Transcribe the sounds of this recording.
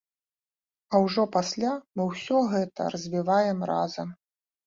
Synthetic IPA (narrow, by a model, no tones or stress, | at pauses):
ɐwʐɔpasʲlʲamɨwsʲɔɣɛt̪ɐ̰rɐzʲvʲivajɛmrazɐm